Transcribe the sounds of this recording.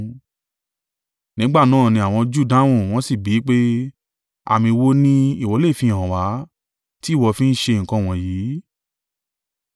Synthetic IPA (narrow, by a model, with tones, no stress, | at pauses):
nĩ˨˦ɡ͡ba˦˨nãː˦˨nĩ˧a˨w̃ɔ̃˧d͡ʒu˦˨dã˦w̃ũ˦˨w̃ɔ̃˦si˦˨bi˨˦k͡pe˦ | a̰˧˨mĩ˧wo˦nĩ˦i˦˨wɔ˨˦le˦˨fĩ˧˨ã˨wa˨˦ | ti˦˨wɔ˧fĩ˦n̩˦ʃe˧˨ŋ̩˨kɔ̃˧˦˨w̃ɔ̃˨jiː˨˦